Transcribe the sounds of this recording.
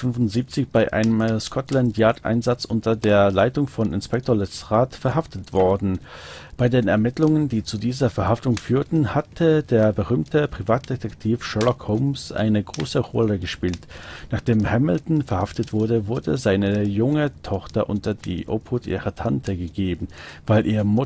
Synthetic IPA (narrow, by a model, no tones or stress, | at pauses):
fʏnvʊntz̥iːp̚t͡sɪçb̥aɪʔa̰ɪnəmskʰɔtlantjaːtʔa̰ɪnzat͡sʔʊntɐdeːɐlaɪtʊŋfɔnɪnspɛk̚tʰoːɐlɛʁaːtfɛɐɦaftətv̥ɔɐdn̩ | b̥aɪdeːnɛ̰ɐmɪtlʊŋəndiːt͡sudiːzɐfɛɐhaftʊŋfyːɐtn̩hatʰədeːɐbəʁ̞yːmtəpʁ̥ivaːt̚d̥etʰɛktʰiːfʃɛlɔkhoʊmsʔa̰ɪnəɡʁo̰ːsəʁɔ̰ləɡəʃpiːltnaːχd̥eːmhɛmɪl̩tn̩fɛɐhaftətv̥ʊɐdəvʊɐdə̰zaɪnəjʊŋətʰɔχtɐʔʊntɐdḭːʔo̰ːphʊtʔḭːʁɐtʰantʰəɡəɡeːbm̩vaɪlʔiːɐmʊ